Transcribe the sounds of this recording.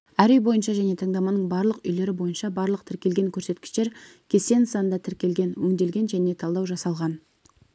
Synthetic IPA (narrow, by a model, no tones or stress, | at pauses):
æɾʏjbo̞jənʃɑʒæne̞t̪ʰɑɴd̪ɑmɑnəɴbɑɾlˠəqʏjle̞ɾɪbo̞jənʃɑbɑɾlˠəq̚t̪ʰɪɾkʲe̞lɡʲe̞ŋkʲʰɵɾse̞t̪kʲɪ̥ʃt̪eɾkʲʰe̞se̞nsɑənd̪ɑt̪ʰɪɾkʲe̞lɡʲe̞nwɵŋd̪e̞lɡʲe̞nʒæne̞t̪ʰɑlˠd̪ɑwʒɑsɑlˠʁɑn